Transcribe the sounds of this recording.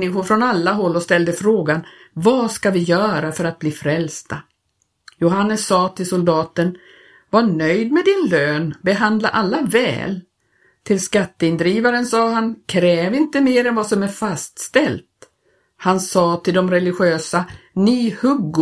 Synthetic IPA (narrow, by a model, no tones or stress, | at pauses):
ɪɧʊɾfɾɔnalːaɦɔlːɔst̪ɛld̪əfɾoːɡan | vɑskavɪjœːɾafœɾat̪̚bliːfɾɛlst̪a | jʊɦanːəsːɑːt̪ʰɪlsʊld̪ɑːt̪ən | vaɳœjd̪mɛd̪ɪnløːnbɛɦand̪laʔalːavɛ̰ːl | t̪ʰɪlskat̪ːəɪnd̪ɾiːvaɾənsɑːɦankʰɾɛːvɪnt̪əmeːɾɛnvasɔmæɾfast̪st̪ɛlt̪ | hansɑːt̪ʰɪld̪ɔmɾɛlɪɧøːsanihɵɡː